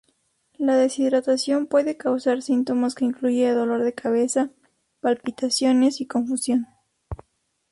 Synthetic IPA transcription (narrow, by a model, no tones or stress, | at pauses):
laðe̞siðɾat̪asjo̞mpwe̞ðe̞kawsaɾsint̪o̞maske̞iŋkluʝeːðo̞lo̞ɾðe̞kʰaβe̞sa | palpit̪asjo̞ne̞siko̞ɱfusjo̞n